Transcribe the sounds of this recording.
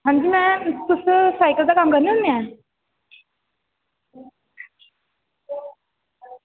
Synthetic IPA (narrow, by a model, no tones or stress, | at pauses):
ɦəɳd͡ʑimɛ̃t̪usəsajkəlt͡sakamɡəɾnəmjã